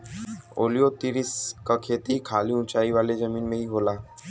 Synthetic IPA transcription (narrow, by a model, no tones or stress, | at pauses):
o̰ːlijot̪iɾiskakʰeːt̪ikʰaːliʊ̃nt͡ʃaːiʋaːled͡ʒəmiːnmẽɦiɦoːlaː